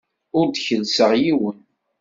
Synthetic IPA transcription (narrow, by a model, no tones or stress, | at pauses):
ʊɾd̪çəlsəʁjiwən